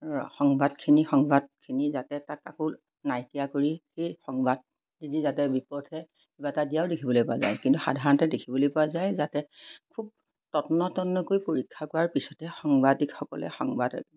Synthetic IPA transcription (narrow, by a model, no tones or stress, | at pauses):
xɔŋbadkʰinixɔŋbad̚kʰinizatɛtakakul | najtijakoɹixejxɔŋbad̚ | nizizatɛbipɔdhɛ | ibatadijaʊdekʰibɔlojpɔaza̰jkintuxa̰dʱaɹɔntɛdekʰibɔlojpɔwazajzatɛkʰub̚ | tɔtnɔtɔnːɔkojpoɹikʰːakɔɹaɹpisɔtɛxɔŋbadikxɔkɔ̰lɛ̰xɔŋbada̰ɡ